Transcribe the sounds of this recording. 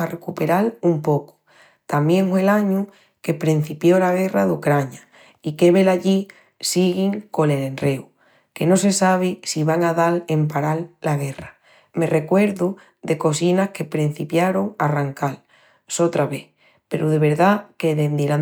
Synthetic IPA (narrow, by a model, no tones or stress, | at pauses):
arekupe̞ɾalumpo̞ku̥ | t̪amje̞ŋfwe̞laɲu | ke̞pɾin̟θipjo̞laɣ̞e̞raðukɾaɲa | ike̞βe̞laʎi | siɣiŋko̞ne̞le̞nre̞u | ke̞no̞se̞saβ̞isiβaŋaðale̞mpaɾalːaɣe̞ra | me̞re̞kwe̞ɾðu | ðe̞ko̞sinahke̞pɾin̟θipjaɾoŋaraŋkal | so̞t̪ɾaβe̞ | pe̞ɾuðe̞β̞e̞ɾðake̞ðend̪iɾa